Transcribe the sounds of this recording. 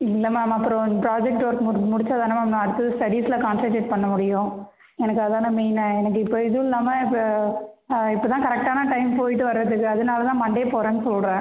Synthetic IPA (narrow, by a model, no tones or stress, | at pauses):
ɪlːɐmaːmɐpːɯɾõpɾaːd͡ʒɛk̚ʈːʋɐɾkmmʊɽɪt͡ʃːaːðaːnɐmamãɐɽɯt̪ːɐðɯsʈɐɽiːsɪlɐkaːnsɐʈeʈ̚pɐɳːɐmʊɽɪjʊ̃ | ɛnɐkːɐðaːnɐmiːnɛnɐkːɯɪpːoɪðɯɪlːaːmɐɪ | ɪpːoːt̪ãːkɐɾɛk̚ʈaːnɐʈɐɪmpoːjɪʈːɯʋɐɾɾɐðɯkːɯɐðɯnaːlɐt̪ãːmɐɳɖeːpoːɾẽːnːɯsɔlɾẽː